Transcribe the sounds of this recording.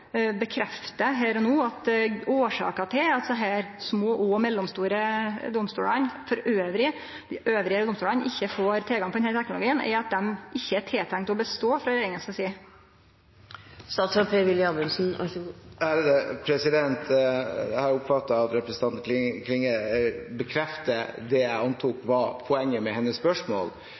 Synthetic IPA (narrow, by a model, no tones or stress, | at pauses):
bəkʰɾɛft̪əɦæːɾɔnuːɑt̪oːʂɑ̰ːkɑt̪ʰɪɑt̪d̪ɛɦæːɾsmoːʔoːmɛlːɔmst̪uːɾəd̪ʊmst̪ṵːlɑnfɔɾøːʋɾɪ | d̪ɪʔøːʋɾɪəd̪ɔmst̪uːlɑnʔɪçːəfoːɾt̪ʰɪlɡɑŋpɔd̪ɛnhæːlt̪ʰɛknʊlʊɡiːənɛ̰ɑt̪̚d̪ɛmʔɪçːəæʈʰeːt̪ʰæŋt̪ɔbəst̪oːfɾɑɾeːɾɪŋənskɑsiː | st̪ɑːt̪sɔpʰeʋɪlɪɑbənsn̩̰ | æɾd̪ɛpʰɾɛsɪd̪ɛnt̪ | hɑɾʊpfɑt̪ːɑɑt̪ɾɛpɾəsən̩t̪ɑnʰlɪkʰlɪŋəbəkʰɾɛft̪əd̪ɛjæɪɑnt̪ʰukʋɑɾpʰɔɛŋːəmɛhɛnːəspœʂmo̰ːl